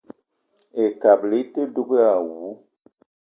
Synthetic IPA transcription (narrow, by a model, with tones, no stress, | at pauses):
e˨ka˨bli˦te˦du˦ke˦a˨wu˨˦